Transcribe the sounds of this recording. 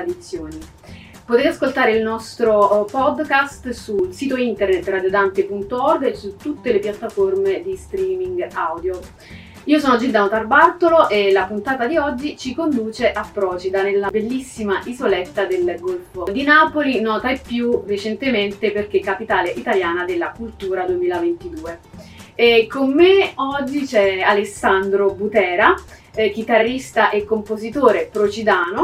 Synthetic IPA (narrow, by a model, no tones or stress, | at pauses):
d̪it̪sːjoːni | pot̪eːt̪easkolt̪aːɾeilnɔst̪ɾopɔd̪kast̪sulsiːt̪oint̪ernet̪ːrad̪jod̪ant̪epunt̪oɔrɡesːut̪ːut̪ːelepjat̪ːaformed̪ist̪ɾiːmiŋɡawd̪jo | iːosɔːnod͡ʒild̪anot̪arbart̪oloʔelapunt̪aːt̪ad̪iɔd͡ʒːit͡ʃikond̪uːt͡ʃeʔapːɾɔːt͡ʃid̪anelːabelːisːimaʔizolɛt̪ːad̪elɡolfod̪inaːpolinɔːt̪aepːjuret͡ʃent̪ement̪eperk̟ekːapit̪aːleʔit̪aljaːnad̪elːakult̪uːɾad̪uemiːlavent̪id̪uːe | komːeɔd͡ʒːit͡ʃɛalesːand̪ɾobut̪ɛːɾak̟it̪arːist̪aʔekːompozit̪oːɾepɾot͡ʃid̪aːno